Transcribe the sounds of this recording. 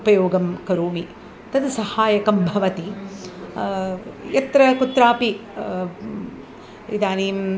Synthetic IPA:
pɐjoːɡɐmkɐɾuːmi | t̪ɐd̪sɐhaːjɐkɐmbʱɐʋɐt̪i | jɐt̪ɾɐkut̪ɾaːpi | id̪aːnim

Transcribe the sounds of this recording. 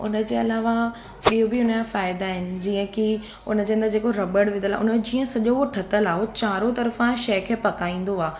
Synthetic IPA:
ʊ̰nə̆d͡ʑeːɐlaːʋa | ɓijobiʊnəkafaːɪd̪aːɦɪnɪ̆d͡ʑiːə̃ki | ʊ̰nə̆d͡ʑeːɦənd̪əd͡ʑeːkoɾɐbəɽʋɪ̃nəla̰ːʊ̰nd͡ʑĩːə̃sɐʄooʈʰɐt̪əlaːɦot͡ɕaːɾot̪ɐɾəfãʃɐɦkʰeːpɐkaːĩːn̆d̪oaː

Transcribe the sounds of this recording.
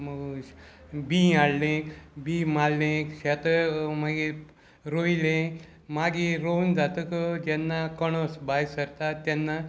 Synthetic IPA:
məɡ | bĩaɽlẽbimalnẽɕɛt̪əmaɡi | ɾoilẽ | maɡiɾound͡zat̪əkəd͡ʑɛnːakəɽ̃osbajsəɾt̪at̪ːɛnːa

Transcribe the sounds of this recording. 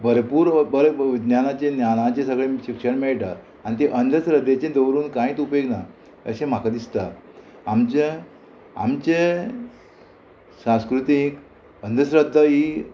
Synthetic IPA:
bəɾpuːɾbəɾʋid̪njanat͡ɕẽnjanãt͡ɕẽsəɡɭeɕikʂəɳmeɭʈa | añit̪eʔənd̪ʱəsɾəd̪ʱːet͡ɕẽd̪əʋɾuːnkãiːt̪upeɡna | ə̰ɕẽm̤akad̪ist̪aamt͡ɕe | a̰mt͡ɕe | sãskɾut̪ik | ənd̪ʱəsɾəd̪ʱːəɦi

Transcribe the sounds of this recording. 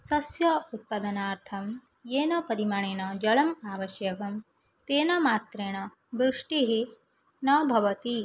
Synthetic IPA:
sɐsjɐut̪̚pɐd̪ɐnaːɾt̪ʰɐm | jeːnɐpɐɾimaɳeːnɐd͡ʒɐɭɐmaːʋɐʃjɐkɐm | t̪eːnɐmaːt̪ɾeːnɐ | bɾuʂʈiɦi | nɐbʱɐʋɐt̪i

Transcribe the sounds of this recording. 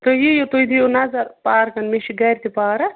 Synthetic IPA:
t̪ojijot̪ojd̪ijonazɐɾpaːɾkɐnmeʃiɡɐːɾʲt̪ipaːɾɐ

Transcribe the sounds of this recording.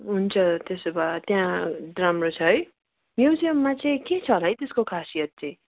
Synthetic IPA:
ɦunt͡sʰʌt̪esobat̪jãɾamrot͡sʰʌɦʌj | mjewsʌmmat͡sʌĩket͡sʰʌɦolaɦʌjt̪eskokʰasijʌt̪̚t͡sʌĩ

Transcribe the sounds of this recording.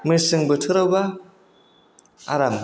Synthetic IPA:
mɯsɯŋbɯtʰɯɾawba | a̰ɾam

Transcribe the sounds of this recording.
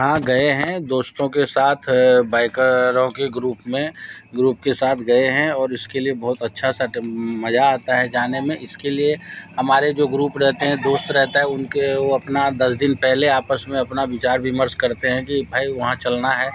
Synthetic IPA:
ɦãɡɐeɦɛ̃d̪oːst̪õkesaːt̪ʰbaːɪkəɾõkeɡɾuːpmẽɡɾuːp̚kesaːt̪ʰɡɐeɦɛ̃ɔːɾɪskeliebɔɦʊt̪ɐtːʃʰasaʈmɐd͡ʒaaːt̪aɦɛd͡ʒaːnemẽʔɪskeliehɐmaːɾed͡ʒoːɡɾuːpɾɛɦt̪eɦɛ̃d̪oːst̪ɾɛɦt̪aɦɛʊnkeoɐpnad̪ɐsd̪ɪnpɛɦleaːpəsmẽɐpnaʋɪt͡ʃaːɾʋʱɪməɾskɐɾt̪eɦɛ̃kibʱaːiʋɐɦãt͡ʃɐlnaɦɛː

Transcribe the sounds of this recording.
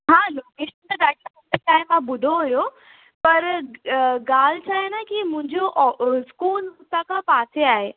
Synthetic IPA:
ɦãːloːkeːʃənt̪ɐɗaːʈːəmɐ̃nt̪ekaːɦẽmãbʊɖʱoɦujo | pɐɾ | ɡaːl̤t͡ɕʰaːɦenakimʊ̃ɪ̃ɲd͡ʑoʔskuːlmʊt̪akʰapaːtʰeaːɦeː

